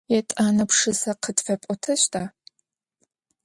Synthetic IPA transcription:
jɛtʼaːnɐpʂɨzɐqʰətfɐpʷʼɔtʰɐɕtʰaː

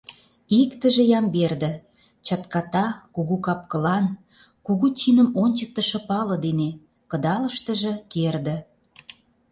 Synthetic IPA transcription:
ikt̪ə̆ʒĕjɑmberd̪ə̆ | t͡ɕɑt̪kɑt̪ɑkuɣukɑp̚kə̆lɑn | kuɣut͡ɕinə̆monʲt͡ɕək̚t̪ə̆ʃə̆pɑlɤ̆d̪ene | kə̆d̪ɑləʃt̪ə̆ʒə̆kerd̪ə̆

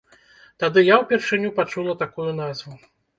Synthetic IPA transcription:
t̪ad̪ɨjawpʲɛrʂɨnʲupat͡ʂulˠɐt̪akujun̪azvu

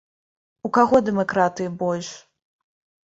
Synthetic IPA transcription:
ukaɣɔd̪ɛmakɾat̪ɨjibɔlʲʂ

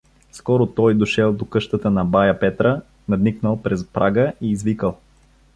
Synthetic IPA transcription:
skɔɾot̪ɔjd̪oʃɛlˠd̪okɤʃt̪ət̪ənɐbajəpɛt̪ɾə | nɐd̪niknəlˠpɾɛspɾʔaɡəʔiːzvikəlˠ

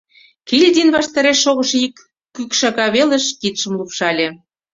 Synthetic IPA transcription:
kilʲd̪ʲinβɑʃt̪ɑɾeʃːoɣə̆ʃikː | ykʃɑɣɑβelĕʃkit̪ʃə̆mlupʃɑlʲĕ

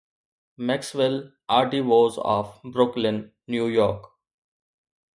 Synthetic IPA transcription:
mɛksʋɛl | aːɾʈiʋoːzɔ̰ːʋbɾʊklɪ̃nː | juːjɔːɾk

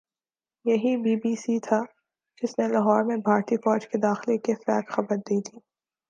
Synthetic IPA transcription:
jɐɦibiːbiːsit̪ʰa | d͡ʒɪsnelaɦɔːɾmẽbʱaːɾt̪ifɔːd͡ʒked̪aːxlekefɛːkxɐbəɾd̪iːt̪ʰiː

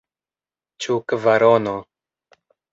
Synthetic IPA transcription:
t͡ʃukvaɾono

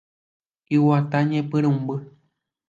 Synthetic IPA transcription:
iwat̪aɲẽpɨɾɨ̃mbɨ

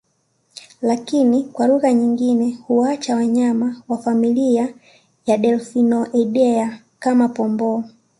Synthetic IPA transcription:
lakinikwaluɣaɲiŋɡinɛhuwat͡ʃawaɲamawafamilia | jaɗɛlfinɔʔɛɗɛa | kamapɔmbɔ

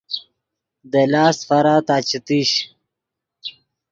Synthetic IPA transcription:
d̪əlaːsfaɾat̪aːt͡ɕit̪iɕ

